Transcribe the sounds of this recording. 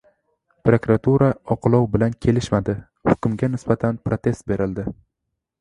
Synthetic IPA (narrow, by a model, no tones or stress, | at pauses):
pɾokɾat̪ʰuɾaɒqɨlˠɒwbɪlankʲʰe̞lɪʃmad̪ɪ | hʊkʊmɡʲanɪsbat̪ʰanpʰɾot̪ʰe̞st̪̚be̞ɾɪld̪ɪ